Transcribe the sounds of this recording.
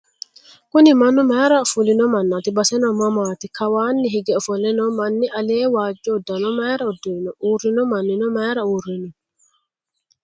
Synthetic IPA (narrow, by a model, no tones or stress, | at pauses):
kʊnɪmɐnʊmaːɾɐfʊlɪnɔmɐnːɐt̪ɪbɐsɛnɔmɐmaːt̪ɪkɐwaːnːɪɦɪɡɛɔfɔlɛnɔmɐnːɪʔɐleːwaːd͡ʒːɔːd̪ːɐnɔmaːɾɐɔd̪ːʊɪnɔʔuːrːɪnɔmɐnːɪnɔmaːɾɐuːrːɪnɔ